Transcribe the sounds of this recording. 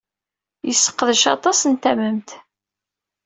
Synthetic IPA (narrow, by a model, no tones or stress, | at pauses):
jəsːə̥qːəðəʃɑ̰t̪ˤɑsənt̪æməmt̪